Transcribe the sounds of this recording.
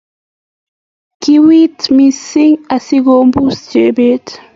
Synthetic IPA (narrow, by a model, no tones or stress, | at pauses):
kiwitmisiŋasiɡombusd͡ʒɛʔbɛːt